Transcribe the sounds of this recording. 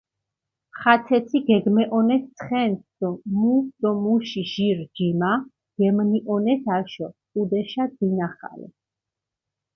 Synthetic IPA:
χat̪ʰɛt̪sʰiɡɛɡmɛʔɔnɛt̪ʰsʰχɛnt̪d̪̥ɔmusd̪̥ɔmuʃiʒiɾd͡ʒima | ɡ̥ɛmniʔɔnɛt̪ʰaʃɔkʼud̪ɛʃad̪inaχa̰lɛ̰

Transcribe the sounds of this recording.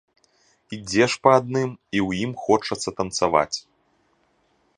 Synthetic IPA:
id͡zʲɛʂpɐːd̪̚nɨmiwjimxɔt͡ʂɐt̪sːɐt̪ɐnt̪sava̰t͡sʲ

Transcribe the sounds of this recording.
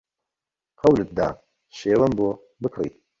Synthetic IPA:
qʰɐwlɨt̪̚d̪a̰ː | ʃeːwɐmboː | bɨkʰrḭː

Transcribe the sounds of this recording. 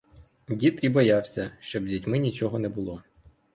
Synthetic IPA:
dʲit̪ibɔjɑwsʲɐʃt͡ʃɔbzʲitʲmɪnʲit͡ʃɔɦɔnɛbʊlˠɔ

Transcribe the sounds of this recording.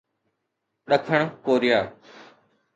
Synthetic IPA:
ɗɐkʰəɽ̃koːɾɪjaː

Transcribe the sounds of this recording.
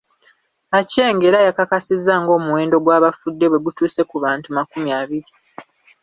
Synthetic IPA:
ace̞ːŋɡe̞ɾajakakasizːaːŋɡo̞ːmuwe̞ːndo̞ɡwaːβafudːe̞βwe̞ɡutuːse̞kuβaːntumakumjaːβiɾi

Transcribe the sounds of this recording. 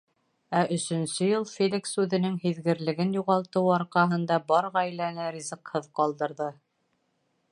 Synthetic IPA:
æʔɵ̆sɵ̆nsɵjɤlˠfʲelʲiksʉðɘ̆nɘŋɦiðɡɘ̆ɾlɘ̆ɡɘnjuʁɑlˠt̪ɤwɑɾqɑɦɤ̆nd̪ɑbɑɾʁæjlænɘrʲizɤqhɤðqɑlˠd̪ɤ̆ɾðɤ

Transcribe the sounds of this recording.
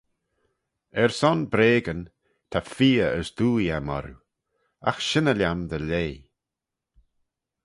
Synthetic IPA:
ɛɹsɔnbɾeːɡən | t̪ʰafiːəəsd̪uːjamɔ̰ɾṵ | a̰xʃɪnəlʲjamd̪əleː

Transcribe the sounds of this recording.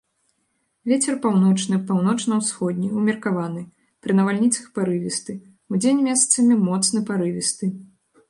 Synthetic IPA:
vʲet͡sʲɛrpawnɔt͡ʂnɨpawn̪ɔt͡ʂnɐwsxɔd̪ʲnʲiumʲɛrkavanɨ | pɾɨnɐvalʲnʲit̪sɐxpaɾɨvʲist̪ɨ | ud͡zʲenʲmʲɛst̪sɐmʲimɔt̪snɨpaɾɨvʲist̪ɨ

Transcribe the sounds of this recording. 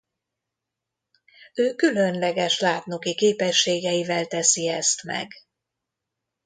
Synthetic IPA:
øːkylø̞nlɛɡɛʃlaːt̪nokikeːpɛʃːeːɡɛjivɛlt̪ɛsiɛst̪mɛ̰ɡ

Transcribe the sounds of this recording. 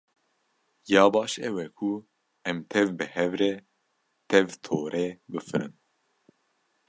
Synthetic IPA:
jɑːbɑːʃɛwɛkʰu | ɛmt̪ʰɛvbɨhɛvɾɛ | t̪ʰɛvt̪ʰoːɾʔeːbɨfɨɾɨ̰n

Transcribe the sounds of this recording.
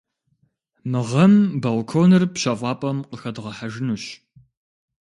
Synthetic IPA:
mɨʁɐmbɐlkʰoːnɨrpɕɐvʷɑːpʼɐmqəxɐdʁɐħaʒɪnuːɕ

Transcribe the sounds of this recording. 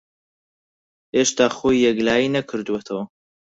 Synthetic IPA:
eːʃt̪aːxoːjːɛɡlaːjinɐkʰɨɾd̪uwet̪ʰɐwɐ

